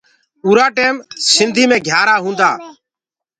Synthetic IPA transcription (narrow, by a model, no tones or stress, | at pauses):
uːɾaːʈeːmsɪnd̪ʱiːmẽːɡʱjaːɾaːɦũːnd̪aː